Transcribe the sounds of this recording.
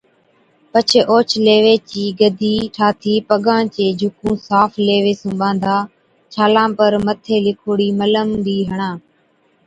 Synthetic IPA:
pət͡ʃʰeʔoːt͡ʃʰleːʋeːt͡ʃiːɡəd̪ʱiːʈʰaːt̪ʰiːpəɠãːt͡ʃeːd͡ʒʱʊkũːsaːfʰleːʋeːsũːɓãːnd̪ʱaː | t͡ʃʰaːlãːpəɾmət̪ʰeːlɪkʰoːɽiːmələmd̪iːɦəɳãː

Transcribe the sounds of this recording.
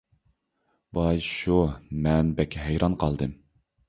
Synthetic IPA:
bɑjʃumɛnbɛkʲʰːɛɦɛjɾɑnqʰɑlˠd̪ɨm

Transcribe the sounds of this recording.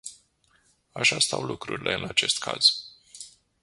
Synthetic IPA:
aʃast̪awlukɾuɾʲilʔe̞ɨnat͡ʃe̞st̪kʰa̰z̥

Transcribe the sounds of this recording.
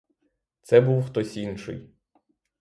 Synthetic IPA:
t̪sɛbuwxt̪ɔsʲinʃɪ̰j

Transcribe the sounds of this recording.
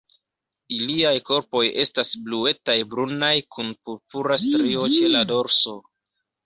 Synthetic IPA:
iliajko̞ɾpo̞je̞stasblue̞tajbɾunajkʰunpuɾpuɾastɾio̞t͡ʃe̞lado̞ɾso̞

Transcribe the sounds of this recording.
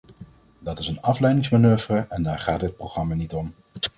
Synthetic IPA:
dɑtɪsənɑflɛjdɪŋsmanøːvrəɛndaːɹχaːtɦət̚prowχrɑmanitɔm

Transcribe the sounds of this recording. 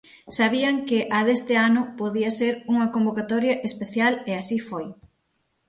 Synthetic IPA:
saβiɐŋkɪʔaðest̪ɪanʊpoðiɐseɾuŋɐkombokat̪ɔɾjɐʔespeθjaleasifoj

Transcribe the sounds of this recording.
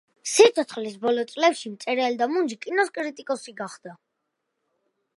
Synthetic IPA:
sit̪sʰɔt̪χlisbɔlɔt̪sʼlɛpʃimt̪sʼɛɾɛɛld̪amund͡ʒikʼinɔskʼɾit̪ʼikʼɔsiɡaχd̪̥a

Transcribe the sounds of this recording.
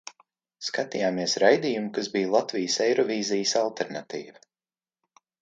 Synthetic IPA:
skat̪ijaːmiɛsɾajd̪ijumukazbijlˠat̪vʲijsɛjɾɔvʲiːzijəsalˠt̪ɛɾnat̪ḭːva

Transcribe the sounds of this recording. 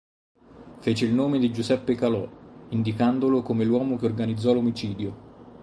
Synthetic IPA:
feːt͡ʃeilnoːmed̪id͡ʒusɛpːekalɔind̪ikand̪olokomelwɔːmokeorɡanid̪zːɔlomit͡ʃiːd̪jo

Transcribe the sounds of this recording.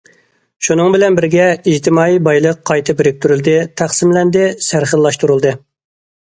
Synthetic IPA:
ʃunɨŋbɪlɛnbɪɾɡʲɛiht̪ʰɪmɑːijbɑjlˠəqʰːɑjt̪ʰɨbɪɾɪk̚ʲt̪ʰyɾyld̪ɪt̪ʰæχsɪmlɛnd̪ɪsæɾχəllˠɑʃt̪uɾulˠd̪ɨ

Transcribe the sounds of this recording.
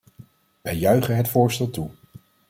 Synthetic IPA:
ʋɛjːœɥχənɦətfʊːɹstɛlˠtu

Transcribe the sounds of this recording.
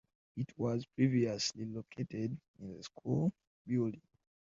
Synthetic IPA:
itʰwɔzpʰɹiviəslilokʰetɛd | ĩnðəskʰul | bjuldĩŋ

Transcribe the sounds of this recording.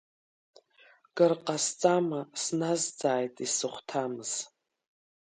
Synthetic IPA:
ɡ̥ɨrqʼast͡sʼamasnazd͡zaːjtʼisɨχʷtʰamɨz̥

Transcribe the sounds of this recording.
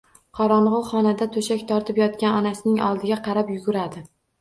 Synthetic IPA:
qʰɒɾɒɴʁʊχɒnad̪at̪ʰɵʃakʲt̪ʰɒɾt̪ʰɪpjɒt̪̚kʲanɒnasɪnɪŋɒ̰lˠd̪ɪɡʲaqʰɑɾapjʊɡʲʊɾad̪ɪ

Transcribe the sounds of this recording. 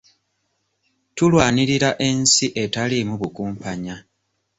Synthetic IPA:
tulwaːniɾiɾaʔe̞nsiʔe̞talimuβukuːmpaɲa

